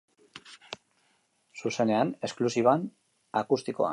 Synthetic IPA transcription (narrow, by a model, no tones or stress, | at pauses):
suse̞ne̞ane̞sklusiβan | akust̪iko̞̰a̰